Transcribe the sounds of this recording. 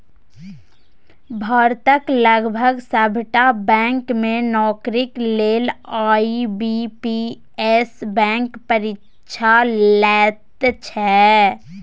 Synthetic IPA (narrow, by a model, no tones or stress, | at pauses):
bʱɔːɾt̪əkləɡbʱəɡsəbʱʈabɛ̃ːŋkmẽnɔːkɾɪkleːlaːibipi | esbɛ̃ːŋkpəɾɪ | ʃʰalɛːt̪t͡ʃʰɛ